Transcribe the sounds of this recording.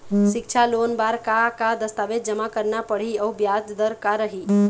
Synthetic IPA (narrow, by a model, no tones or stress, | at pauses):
sikt͡ʃʰalonbaɾkakad̪əst̪aʋed̪̚d͡ʒəmakəɾnapəɽ̤iəwbjad͡ʒd̪əɾkaɾəɦi